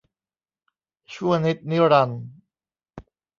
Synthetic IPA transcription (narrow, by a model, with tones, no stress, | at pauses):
t͡ɕʰu˥˩əŋni˦˥t̪̚ni˦˥ɾa˧n